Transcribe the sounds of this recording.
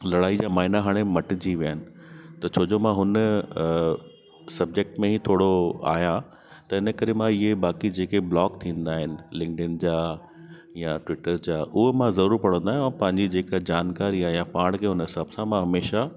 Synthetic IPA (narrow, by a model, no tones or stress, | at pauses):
lɐɽaːid͡ʑaːmaːɦɪnaɦaːɽ̃emɐʈɪd͡ʑiʋijənɪ̆t̪ɐt͡ɕʰoːd͡ʑomãɦʊnə | sɐb̚d͡ʑek̚ʈmẽɦit̪ʰoːɽoa̰ːjã | t̪ɐɪnə̆kɐɾemãɪɦebaːkid͡ʑeːkeblɔːkt̪ʰĩːn̆d̪aːɦɪnɪ̆lɪ̃ŋɡɖənd͡ʑaː | jãʈʋɪʈəɾd͡ʑaːʔʊɦemãzɐɾuːɾpɐɽ̃ə̃nd̪aːɦj̃pɐ̃ɦɪ̃ɲd͡ʑid͡ʑeːkad͡ʑaːnkaːɾiaːijãpaːɽ̃kʰeːɦʊnɦɪsaːbsãmãɦɐmeːʃa